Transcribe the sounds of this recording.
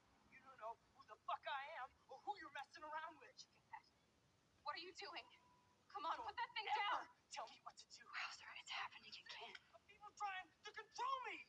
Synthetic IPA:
jɨɾõʊ̃nːoʊhuðəfʌkaɪɨ̃m | ə˞hujə˞ɹɛstɪ̃ŋə˞ãʊ̃nd̚wɪð̥t͡ʃɨkʰɨ̃nɡɛs | wʌɾə˞jɨduɪ̃ŋ | kʰʌ̃mə̃npʰʊt̪̚ðɨt̪̚θɪ̃ŋdatʰɛlˠmiwʌtʰɨdɨazəɹɛɨtʰɨhæpɨ̃nɨkɨ̃nkʰɪ̃b̥ʌpipl̩ˠtʰɹ̥aɪɪ̃ŋtʰɨkɨ̃ntʰɹ̥oʊlˠmi

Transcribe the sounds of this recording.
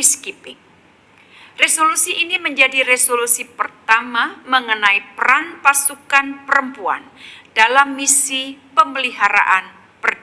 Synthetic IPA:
iskipɪŋ | resolusiʔiniməɲd͡ʒadiɾesolusipərt̪amaməŋənaipəɾanpasukanpəɾəmpua̰ndalamːisipəməliɦaɾa̰ʔan | pərd

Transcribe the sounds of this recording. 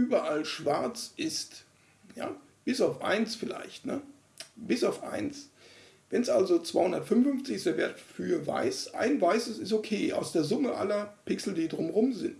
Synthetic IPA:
ʔyːbɐʔalʃv̥aɐt͡sʔɪst | ja̰ː | b̥ɪsaʊfʔa̰ɪnsfɪla̰ɪçtnə̰ | b̥ɪsaʊfʔa̰ɪns | vɛnsʔalzot͡sv̥aɪhʊndɐtfʏnmn̩fʏft͡sɪçɪsd̥eɐvḛːɐtfyːɐva̰ɪsʔa̰ɪnvaɪsəsɪstokʰeːʔa̰ʊsd̥eːɐzʊməʔa̰lɐpɪksl̩diːdʁʊmʁʊmzɪ̰nt

